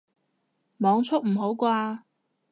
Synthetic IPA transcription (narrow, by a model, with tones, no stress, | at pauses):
mɔː˨˧ŋt͡sʰʊ˥k̚m̩˨˩ɦo˨˥wkʷaː˧